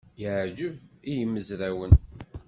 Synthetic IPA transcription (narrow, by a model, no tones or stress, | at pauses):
jəʕd͡ʒəvijəmːəzɾæwən